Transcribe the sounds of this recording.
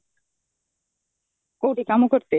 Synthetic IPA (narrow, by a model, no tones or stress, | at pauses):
kowʈikamokoɾt̪e